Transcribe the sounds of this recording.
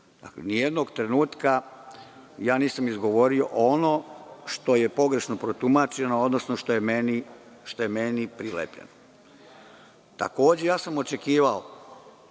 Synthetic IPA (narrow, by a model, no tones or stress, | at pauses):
d̪a̰klḛnije̞d̪noɡt̪ɾe̞nuːt̪ka | jaːniːsamizɡo̞ʋo̞ɾio̞̰ʔono̞ʃt̪o̞je̞po̞ɡɾe̞ʃno̞pɾot̪umaːt͡ʃe̞nood̪no̞sno̞ʃt̪ojemeni | ʃt̪o̞jemenipɾilḛpʎḛno | t̪a̰ko̞ːd͡ʑe̞jaːsamo̞t͡ʃe̞kiːʋao